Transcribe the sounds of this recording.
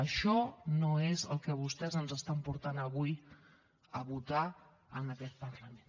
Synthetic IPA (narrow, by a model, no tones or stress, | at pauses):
əʃɔnoezəlˠkəβust̪ɛzənzəst̪ampuɾt̪anəβuj | əβut̪a | ənəkɛt̪̚pəɾləmẽn